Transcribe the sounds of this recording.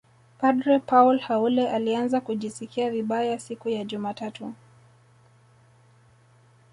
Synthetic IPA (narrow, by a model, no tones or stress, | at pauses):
padɾɛpaulhaulɛʔalianzakuʄisikiaviɓajasikujaʄumatatu